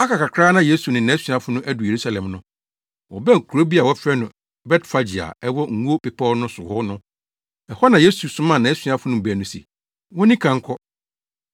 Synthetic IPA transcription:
a˦kʰa˨ka˨kʰɾaː˦nã˦je˦su˨nɪ̃˨nã˨˦æ˦sɥa˨fʊ˦nʊ̃˦ʔæ˦dʊ˨je˨ɾu˦sa˨lɛ̃˨mnʊ̃˦ | wɔ̰˨bɛ̃˦ŋ̩˨kʰu˨ɾo˦bi˦a˨wɔ˦fɛ˦nʊ̃˨ | bɛ˦tfa˦d͡ʑi˨a̰˨ɛ˦wɔ˦ŋ̩˨ŋu˦o˦pɪ˨pʰɔː˦nʊ̃˦sʊ˨hɔ˦nʊ̃˦ | ɛ˨hɔ˦nã˨je˦su˨sʊ̃˦mã˦˨nã˨æ˦sɥa˨fʊ˦nʊ̃˦m̩˨bæ˨nʊ̃˦sḛ˨ | wɔ̃˦nĩ˦kʰã˨ŋ̩˦kʰɔ˦

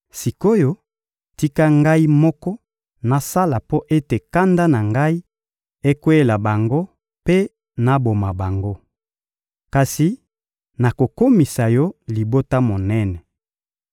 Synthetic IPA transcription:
si˨ko˦jo˦ | ti˦ka˦ŋɡa˦i˦mɔ˦kɔ˦ | na˨sa˦la˨po˦ʔe˦te˨ka˦nda˦na˨ŋɡa˦i˦ | e˦kwe˦la˨ba˨ŋɡo˦ | pe˦ | na˦bo˨ma˨ba˨ŋɡo˦ | ka˨si˨ | na˨ko˨ko˦mi˨sa˨jɔ˦li˨bo˦ta˦mo˨nɛ˦nɛ˨

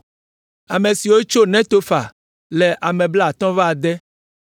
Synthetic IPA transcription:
a˨mẽ˨si˨wo˦t͡ʃo˦nɛ̃˦t̪o˦fa˨ | lɛ˨ʔa˨mɛ̃˨bla˦˨t̪ɔ̃˦va˨d̪ɛ˦

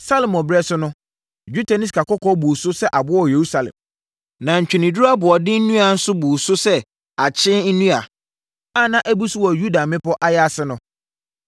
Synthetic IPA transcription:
sa˦lmɔ̃˨bɾɛ˦sʊ˦nʊ̃˦ | d͡ʑᶣu˦tʰa˨nɪ̃˦skʰa˨kɔ˦kʰɔ˦bu˨sʊ˦sɛ˦ʔa˨bʊ˦ɔ˨je˨ɾu˦sa˨lɛ̰̃˨m | nã˨ɲ̩˨t͡ɕᶣɪ˨nĩ˨du˦ɾa˦bʊ˨ɔ˨dɪ˦n̩˦nũ˦a˨n̩˦sʊ˦bu˨sʊ˦sɛ˦ | a˨t͡ɕʰɪ̃˦nũ˦a˨ | a˦˨nã˦ʔæ˦bu˦su˦wɔ˨ju˦da˨mɪ̃˦pɔ˦ʔa˦jɛ˦a˦sɪ˦nʊ̃˦

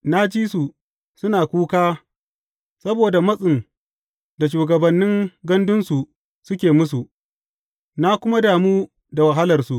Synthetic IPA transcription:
na˦d͡ʒiː˦su˨ | sʊ˦naː˨kʷuː˦kaː˦ | sɐ˦boː˨da˨mɐ˦sʼɪ˨n | da˨ʃuː˨ɡɐ˨bɐ˨nːɪ˦ŋɡɐ˦ndʊ˦nsu˨ | sʊ˦kʲeː˨mʊ˦su˨ʔ | na˦kʷʊ˦ma˦daː˨muː˦ | da˨wa˨ɦa˦lɐ˨rsu˨ʔ

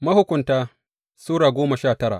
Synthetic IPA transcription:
mɐ˦hʊ˦kʷʊ˨ntaː˦ | suː˦ɽaː˨ɡʷoː˦mɐ˨ʃaː˦˨tɐ˦ɽa̰ː˨ʔ

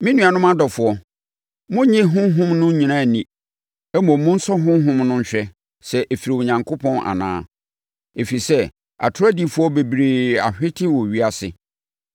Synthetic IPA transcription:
mĩ˦nũ˦a˨nʊ̃˦mã˦dɔ˨fʊ˨ɔ˦ | mʊ̃˦ɲĩ˦ɦʊ̃˦ɦʊ̃˦mnʊ̃˦ɲĩ˨nã˦˨nĩ˨ | ɛ˦mõ˨mʊ̃˦n̩˦sɔ˦ɦʊ̃˦ɦʊ̃˦mnʊ̃˦ɲ̩˨ɕᶣɛ˦ | sɛ˨ʔe˨fi˨ɾi˨wo˨ɲã˨ŋkʰo˦pʰɔ̃˦na̰˨nã̰ː˦ | e˨fi˨sɛ˦ | a̰˨tʰʊ˦ɾa˦di˦fʊ˦ɔ˦be˨bɾi˨a̰˨ɕᶣɪ˦tʰɪ˦wɔ˨ɥi˦a˨sɪ˨

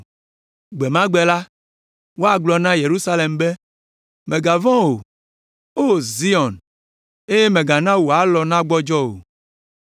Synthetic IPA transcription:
ɡ͡be˨mã˦ɡ͡be˨la˦ | wo˦a˨ɡ͡blɔ˨nã˦je˨ɾu˦sa˦le˨mbe˦ | mẽ˨ɡa˨vɔ̃˦wo˨ | o˦zi˦ɔ˨n | e˦je˦mẽ˨ɡa˨nã˦wo˨a˨lɔ˨nã˦ɡ͡bɔ˦d͡ʒɔ˦wo̰˨

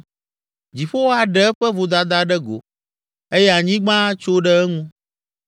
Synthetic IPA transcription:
d͡ʑi˨ɸo˦wo˦a˨ɖɛ˦ɛ˦ɸɛ˦vo˨d̪a˨d̪a˦ɖɛ˦ɡo̰˨ | e˦jɛ˦a˨ɲĩ˦ɡ͡bã˦t͡ʃo˦ɖɛ˦ɛ˦ŋũ˦

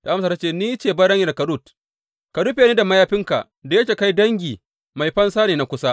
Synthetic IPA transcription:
ta˨ʔmsaː˨ta˦t͡ʃeː˦˨niː˦t͡ʃeː˨bɐ˦ɽɐ˦ŋjɐ˨rkɐ˨ɾu˦˨t | ka˨ɽu˦ɸeː˨˦niː˦da˨ma˦jaː˦ɸɪ˦ŋka̰˨ | da˨jɐ˦kʲeː˨ka˦jdɐ˦ŋɡʲiː˨ | ma˨jɸɐ˦nsaː˦neː˨na˦kʷʊ˦sa˦

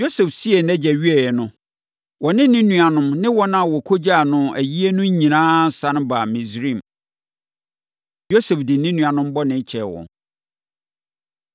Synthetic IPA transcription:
jo˦sɛ˨fsi˦e˨nɛ̃˦d͡ʑɛ˨ɥi˦ɛ˨jɛ˨nʊ̃˦ | wɔ˨nɪ̃˦nĩ˦nũ˨a˨nʊ̃˦mnɪ̃˦wɔ˦nã˦˨wɔ˨kʰo˦d͡ʑa˦˨nʊ̃˦æ˨ji˦e˦nʊ̃˦ɲĩ˨nãː˦n̩˨sã˦ñ˦ba˨mĩ˨sɾĩ˦˨m | jo˦sɛ˨fdɪ˨˦nĩ˦nũ˨a˨nʊ̃˦m˦bɔ˦nɪ̃˦t͡ɕʰɛ˨wɔ̰̃˨

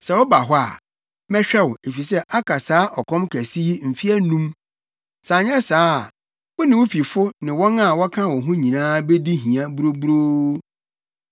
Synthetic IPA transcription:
sɛ˨wɔ˦ba˨ɦɔ˦a̰˨ | mɛ˦ɕᶣɛ˦we˨fi˨sɛ˦ʔa˦kʰa˨saː˦ʔɔ˨kʰɔ̃˦mkʰæ˨si˦m̩˨fi˦ɛ˦nũ˦m | sa˨ɲ˦ɛ̃˦saː˦˨ | wʊ˦nɪ̃˨wʊ˦fi˨fʊ˦nɪ̃˨wɔ̃˦na˨wɔ˦kʰã˦wɔ̃˨ɦʊ̃˦ɲĩ˨nãː˦be˦di˦ɦĩ˨ã˦bu˦ɾo˦bu˦ɾo˦

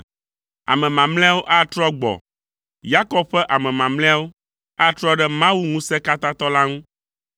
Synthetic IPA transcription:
a̰˨mɛ̃˨mã˨mlɛ̃˦a˦wo˦ʔa˦t̪ɾɔ˦ɡ͡bɔ̰˨ | ja˦kɔ˦b̚ɸɛ˦ʔa˨mɛ̃˨mã˨ml̃ɛ̃˦a˦wo˦ | a˦t̪ɾɔ˦ɖɛ˦mã˦wu˦ŋũ˦sɛ˦ka˦t̪ã˦t̪ɔ˦la˦ŋũ˦

